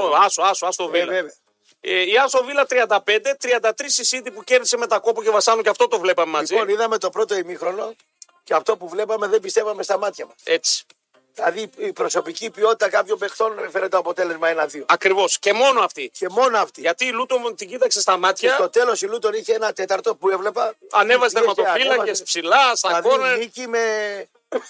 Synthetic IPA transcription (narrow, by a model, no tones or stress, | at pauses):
oɐsoɐsɐst̪ovilveve | eiɐst̪o̞vilɐt̪ɾiɐnd̪ɐpe̞nd̪e̞t̪ɾiɐnd̪ɐt̪ɾisisit̪ipuce̞ɾðise̞me̞t̪ɐko̞puce̞vɐsɐnuceɐft̪o̞t̪o̞vle̞pɐmemɐziniðɐme̞t̪o̞pɾo̞t̪o̞imixɾo̞no̞ | ceɐft̪o̞puvle̞pɐme̞ðembist̪e̞vɐme̞st̪ɐmɐt̪çɐmɐse̞t͡si̥ | ðilɐðiːpɾo̞so̞picipio̞t̪it̪ɐkɐpço̞mbe̞xt̪o̞nfeɾet̪oɐpo̞t̪e̞le̞zmɐenɐðioɐkɾivo̞sce̞mo̞noɐft̪ice̞mo̞noɐft̪iʝɐt̪iːlut̪omt̪iɲɟit̪ɐkse̞st̪ɐmɐt̪çɐt̪o̞t̪e̞lo̞silut̪oniçeenɐt̪e̞t̪ɐɾt̪o̞pue̞vle̞pɐɐne̞vɐzet̪eɾmɐt̪opilɐespsilɐst̪ɐkonɐnicime̞